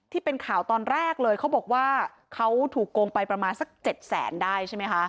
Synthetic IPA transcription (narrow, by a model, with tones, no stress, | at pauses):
t̪ʰiː˥˩pe˧nkʰaː˨˩˦wt̪ɔː˧nɾɛː˥˩k̚lɤː˧jkʰa˦˥wbɔː˨˩k̚waː˥˩ | kʰa˦˥wt̪ʰuː˨˩kːoː˧ŋpa˧jpɾa˧maː˧nsa˨˩k̚t͡ɕe˨˩t̪̚sɛ̰ː˩˦ndaː˥˩jt͡ɕʰa˥˩ma˦˥jkʰa˦˥ʔ